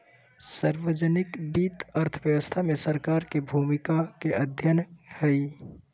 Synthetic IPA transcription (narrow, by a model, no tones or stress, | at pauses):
saɾʋəd͡ʒənɪkbit̪əɾt̪ʰəʋjəʋəst̪ʰamesəɾkaɾkebʱumikakeʔəd̪ʱjənhəi